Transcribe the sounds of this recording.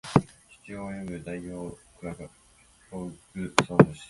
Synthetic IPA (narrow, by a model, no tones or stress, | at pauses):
çi̥t͡sioːjomɯ̟d̪aiço̞ːkɯ̟ɾaɡa | kʲoːɯkɯ̟soːt̪oɕi̥